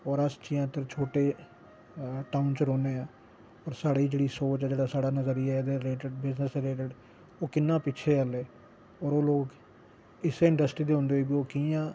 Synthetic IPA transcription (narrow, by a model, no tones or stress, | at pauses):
ɔːɾəst͡ʃɪːãːt̪əɾt͡ʃʰoːʈeː | ʈaːʊnt͡ʃɾoːneːãː | ɔːɾsaːɽiːd͡ʒeːɽiːsoːt͡ʃɛd͡ʒeːɽaːsaːɽaːnəzəɾijaːd̪eːleːʈəɖbɪznəsleːʈəɖ | oːkɪnːãːpɪt͡ʃʰeːəleː | ɔːɾoːloːɡ | ɪseɪ̃ɳɖəsʈɾiːd̪eːõnd̪eoiːbiːoːkiːjãː